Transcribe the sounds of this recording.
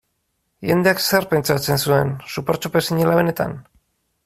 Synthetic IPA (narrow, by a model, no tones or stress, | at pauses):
ʝe̞nd̪e̞akse̞rpe̞nt͡ʃat͡se̞nsue̞nsupoɾt͡ʃope̞siɲelaβe̞ne̞t̪a̰n